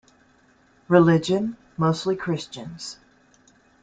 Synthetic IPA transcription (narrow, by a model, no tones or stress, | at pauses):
ɹɨlɪd͡ʒɨ̃n | moʊstˡlikʰɹ̥ɪst͡ʃɨ̃nz̥